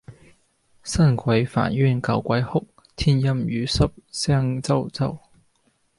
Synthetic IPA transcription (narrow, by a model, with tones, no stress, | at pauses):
sɐ˥˩nkʰʷɐ˨˥jfa̰ː˨˩njyː˥˩nkɐ˨˩wkʷɐ˨˥jhʊ˥k̚ | t̪ʰiː˥njɐ˥mjyː˨˧˥sɐ˥p̚sɛː˥ŋt͡sɐ˥˧wt͡sɐ˥w